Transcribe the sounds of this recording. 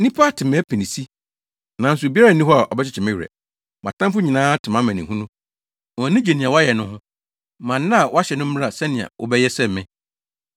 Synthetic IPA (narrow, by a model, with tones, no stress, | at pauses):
nĩ˦pʰa˦tʰɪ˨mɛ̃˦pʰĩ˨nĩ˨si˦ | nã˨n̩˨s̬ʊ˨bi˦a˦ɾa˨nĩ˦ɦɔ˦a˨ʔɔ̰˨bɛ˦t͡ɕʰɪ˦t͡ɕʰɪ˨mɪ̃˦ɥɾɛ̰˨ | mã̰˨tʰã˦mfʊ˦ɲĩ˨nãː˦tʰɪ˨mã˦mæ̃˨nɪ̃˨ɦũ˦nũ˦ | ɔ˨nɪ̃˦d͡ʑe˨nĩ˨ã˨wɔ˦a˦jɛ˨nʊ̃˦hʊ̃˦ | mã˨nː˦ã˦˨wɔ˦a˦ɕɛ˨nʊ̃˦m̩˦m˦a˨sɛ˦nɪ̃˨ã̰˨wʔɔ̰˨bɛ˦jɛ˦sɛ˦m˨mɪ̃˦